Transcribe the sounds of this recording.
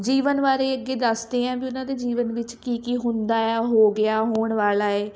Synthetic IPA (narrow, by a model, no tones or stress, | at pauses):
d͡ʒiːʋənʋaːɾeːəɡeːd̪əsd̪eːãːbiːʊnãːd̪eːd͡ʒiːʋənʋɪt͡ʃkiːkiːɦʊnd̪aːɛːɦoːɡɪaːɦoːɳʋaːlaːeː